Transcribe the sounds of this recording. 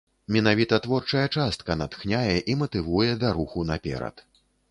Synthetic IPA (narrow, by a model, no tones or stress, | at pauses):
mʲɛnavʲit̪ɐt̪vɔrt͡ʂɐjɐt͡ʂast̪̚kɐnat̪xnʲajɛʔimɐt̪ɨvujɛd̪aɾuxunapʲɛ̰ɾɐ̰t̪